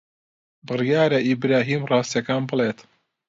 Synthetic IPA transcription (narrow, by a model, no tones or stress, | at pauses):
bɨrjaːɾɐibɾaːɦiːmrɑːst̪jɐkaːnbɨleːt̪